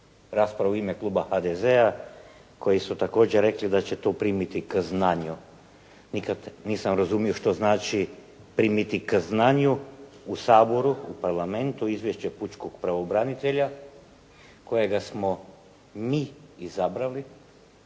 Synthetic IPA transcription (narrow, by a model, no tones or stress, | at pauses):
ɾaːspɾaʋuimeklˠuːbaxad̪ezeako̞jisut̪ako̞ːd͡ʑeɾe̞klid̪at͡ɕet̪opɾiːmit̪ikəznaɲu | nikad̪niːsamɾazumio̞ʃt̪o̞znaːt͡ʃi | pɾiːmit̪ikəznaːɲuusaːbo̞ɾuupaɾlˠame̞nt̪uizʋjeʃt͡ɕeput͡ʃkoɡpɾaʋobɾanit̪e̞ʎa | ko̞jeɡasmo̞ | miːizabɾali